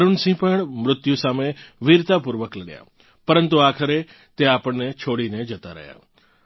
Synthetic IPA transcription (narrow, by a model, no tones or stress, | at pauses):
ɾunsĩpəɽmɾʊt̪jusameʋiɾt̪apuɾʋəkləɡja̰ | pəɾənt̪uakʰəɾe | t̪eapəɳnet͡ʃʰoɽined͡ʒət̪a̰ɾə̰ɦja̰